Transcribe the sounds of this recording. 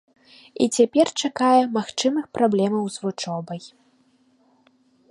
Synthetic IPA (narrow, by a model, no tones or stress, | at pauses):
ḭt͡sʲapʲɛrt͡ʂakajɛmaxt͡ʂɨmɨxpɾablʲɛmɐwzvut͡ʂɔbɐj